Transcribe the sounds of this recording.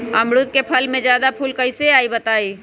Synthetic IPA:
ɐmɽʊt̪̚kepʰɐlmẽd͡ʒjaːd̪apʰʊlkɐɪseaːibət̪aːiː

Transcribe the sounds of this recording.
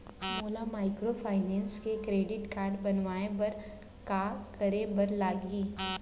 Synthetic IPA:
moːlamaːɪkɾopʰaːɪnɛ̃ːnskekɾeːɖɪʈkaːɾɖbɐnʋaːebɐɾ | kakɐɾebɐɾlaːɡiː

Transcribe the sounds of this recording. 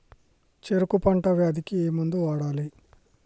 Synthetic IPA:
t͡ʃeɾukupɐɳʈɐʋeɐd̪ikieːmund̪uʋaːɽaːli

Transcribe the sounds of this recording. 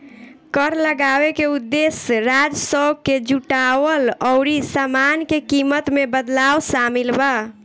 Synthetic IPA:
kəɾləɡabekeud̪ːesɾad͡ʒsəwɡkːed͡ʒuʈawəlɔʊɾisamankekimət̪mebəd̪lawsamilba

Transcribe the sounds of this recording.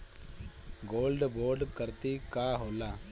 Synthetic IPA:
ɡoːlɖboːɾɖkɐɾt̪ikaːɦoːla

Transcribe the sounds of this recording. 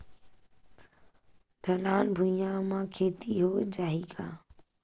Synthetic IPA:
ɖʱəlaːnbʱʊjãːmãːkʰeːt̪iːɦoːd͡ʒaːɦiːkaː

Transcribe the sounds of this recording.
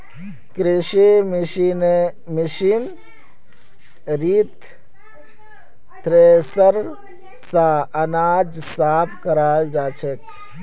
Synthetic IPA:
kɾɪʃimine | miʃiːn | ɾiːt̪ | t̪ɾesəɾ | saɐnaːd͡ʒ | saːpʰkɐɾaːld͡ʒaːt͡ʃʰek

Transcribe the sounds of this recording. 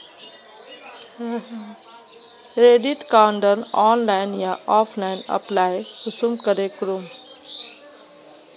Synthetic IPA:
ɾeːɖiʈkaːɳɖənɔːnlaːɪnjaɔːpʰlaːɪnə̰plaːjkʊsumkəɾekɾum

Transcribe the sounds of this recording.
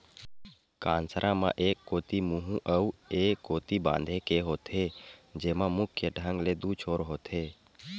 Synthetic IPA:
kãːnsəɾʔãmã̰ːʔeːkːoːt̪imuɦũʔəueːkːoːt̪ibã̰ːnd̪ʱekeɦoːt̪ɦed͡ʒeːmãmʊkʰjeɖʱə̃ŋɡled̪uːt͡ʃʰoːɾɦoːt̪ʰɦeː

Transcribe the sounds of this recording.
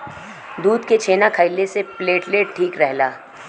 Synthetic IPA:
d̪uːd̪ket͡ʃʰeːnakʰəɪlesepleːʈleːʈʈʰiːkɾɛɦlaː

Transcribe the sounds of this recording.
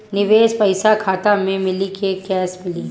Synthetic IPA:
nɪʋeːspɐɪsakʰaːt̪amẽmɪlikekɛːsmɪli

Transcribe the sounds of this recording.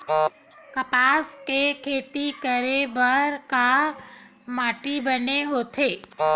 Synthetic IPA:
kɐpaːskekʰeːt̪ikəɾebɐɾka | maːʈibəneɦoːt̪ʰeː

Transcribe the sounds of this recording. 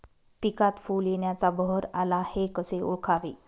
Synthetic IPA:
pikat̪fuːljeɳjat͡sabəɦəɾalahekəseṵɭkʰaʋiː

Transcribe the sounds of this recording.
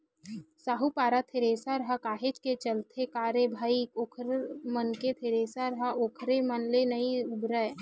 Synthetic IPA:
saːɦupaːɾat̪ʰeɾeːsaɾɐɦakaːɦed͡ʒket͡ʃəlt̪ʰekaːɾebʱaːikoːkʰɾmənket̪ʰeɾeːsaɾɐɦaʔoːkʰɾemənlenəiʊbɾəe

